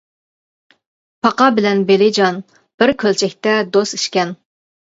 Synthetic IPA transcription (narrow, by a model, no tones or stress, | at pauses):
pʰɑqɑbɪlɛnbelɪd͡ʒɑn | b̥ɪɾkʲʰølt͡ʃʰɛkʲt̪ɛd̪osi̥ʃkʲɛn